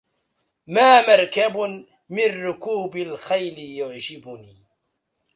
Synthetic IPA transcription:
maːmɑɾˤkab | mɪnːʊkuːbalxajlɪjʊʕd͡ʒɪbʊniː

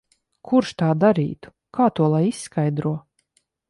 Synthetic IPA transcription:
kʰuɾʃt̪aːd̪aɾḭːt̪u̥ | kʰaːt̪uɔlˠajisːkajd̪ɾuɔ

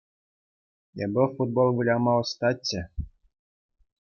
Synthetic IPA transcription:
ḛbʲɘ̆fud̪̚bolˠʋulʲɑmɑɤ̆st̪ɑt͡ɕʲːɘ̆

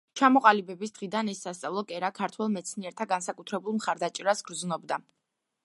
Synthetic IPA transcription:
t͡ʃʰamɔqʼalibɛbisd̪̥ʁid̪anɛsːast̪sʼavlˠɔkʼɛɾakʰaɾt̪ʰwɛlˠmɛt̪sʰniɛɾt̪ʰaɡansakʼut̪ʰɾɛbulˠmχaɾd̪at͡ʃʼɛɾasɡ̥ɾd̪znɔbd̪a

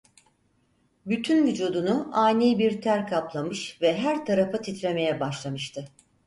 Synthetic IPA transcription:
byt̪ʰynvyd͡ʒuːd̪unuaːnʲejibiɾt̪ʰæɾkʰaplˠamɯʃvɛɦæɾt̪ʰaɾafat̪ʰit̪ɾʲe̞me̞jɛbaʃlˠamɯʃt̪ʰɯ

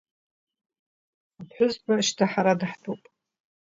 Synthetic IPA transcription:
apʰħʷᶣʊzbaʃtʰaħaɾadɨħtʰʼupʼ

